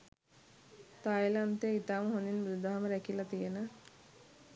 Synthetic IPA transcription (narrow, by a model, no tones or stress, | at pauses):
t̪ajlant̪eit̪aːməɦoninbɾud̪aɦaməɾækilat̪ijənə